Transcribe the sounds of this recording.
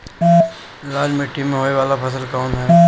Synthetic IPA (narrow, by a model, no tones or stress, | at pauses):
laːd͡ʒmɪʈːimːẽɦoːeʋaːlapʰɐs̬əlkaʊnɦɛː